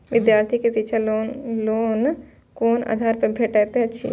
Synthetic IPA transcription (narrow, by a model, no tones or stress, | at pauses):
ʋɪd̪jaːɾt̪ʰikesiːʃʰaloloːn | koːna̰d̪ʱaːɾpẽbʱeʈet̪eɐt͡ʃʰḭ